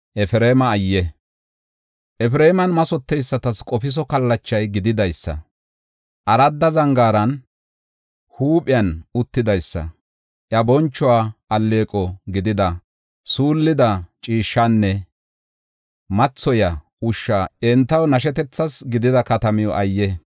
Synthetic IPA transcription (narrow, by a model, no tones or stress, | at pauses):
ʔɛfɪɾeːmɐːjːɛ | ʔɛfɪɾeːmɐnmɐsɔt̪ːɛjsːɐt̪ɐskʼɔfɪs̬ɔkɐlːɐt͡ʃːɐjɡɪd̪ɪd̪ɐjsːɐ̰ | ʔɐɾɐd̪ːɐzɐŋɡaːɾɐn | huːpʼɪjɐnʊt̪ːɪd̪ɐjsːɐ̰ | ʔjɐbɔnt͡ʃːɔwaːʔɐlːe̞ːkʼɔɡɪd̪ɪd̪ɐ | suːlːɪd̪ɐt͡ʃʼiːʃːanːɛ | mɐt͡sːɔjɐ | ʊʃːaːɛnt̪ːɐwnɐʃ̬ɛt̪ɛt͡sːɐsɡɪd̪ɪd̪ɐkɐt̪ɐmɪjɔ̰ʔɐjːɛ